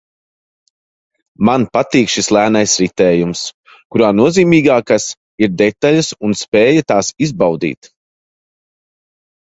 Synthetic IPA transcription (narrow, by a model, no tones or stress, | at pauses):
manpat̪iːkʃislˠæːnajsɾit̪ɛːjums | kuɾaːnuɔziːmiːɡaːkas | iɾd̪ɛt̪aʎasunspeːjat̪aːsizbawd̪ḭːt̪